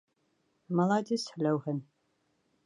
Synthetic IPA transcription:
mɐlaːdisħlɐwħən

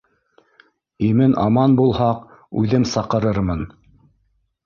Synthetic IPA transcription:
imɘnʔɑmɑnbulˠhɑq | ʉðɘmsɑqɤ̆ɾɤɾmɤn

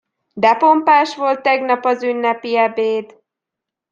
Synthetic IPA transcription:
d̪ɛpo̞mpaːʃʋo̞lt̪ːɛɡnɒpɒzynːɛpiɛbeːd̪

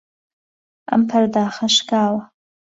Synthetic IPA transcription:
a̰mpʰardaːχaʂɡaːwa

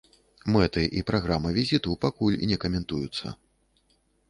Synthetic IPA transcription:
mɛt̪ɨʔipɾʔaɣɾamɨvʲizʲit̪upakulʲinʲɛkɐmʲɛnt̪ujut̪sːɐ̰

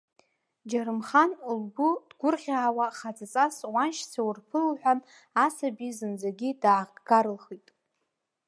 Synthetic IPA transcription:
d͡ʒaɾɨmχanulbʊd̥ɡʷʊrʁʲaːwaχad͡zat͡sʼaswanʃsʰawurpʰɨlħʷᶣan | asabizɨnd͡zaɡʲidaːʁɡaɾɨlχitʼ

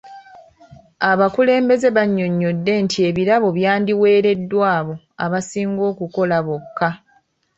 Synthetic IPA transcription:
aβakule̞ːmbe̞ze̞βaɲːo̞ɲːo̞dːe̞ntie̞βiɾaβo̞βjaːndiwe̞ːɾe̞dːwaːβo̞ | a̰βasiːŋɡo̞ːkuko̞laβokːa

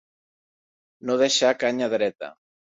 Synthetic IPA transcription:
noðeʃakaɲaðeɾɛt̪a̰

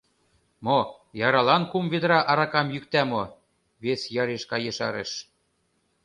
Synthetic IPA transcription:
mo | jɑɾɑlɑnkumved̪̆ɾɑʔɑɾɑkɑmjyk̚t̪æmo | βesjɑɾeʃkɑjeʃɑɾḛʃ

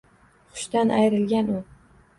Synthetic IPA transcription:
χʊ̥ʃt̪anʔajɾɪlɡʲanʊ

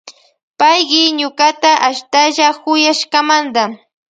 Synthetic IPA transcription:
pajɢɪɲʊkat̪aʔaʃt̪aʒakʊjaʃkamand̪a

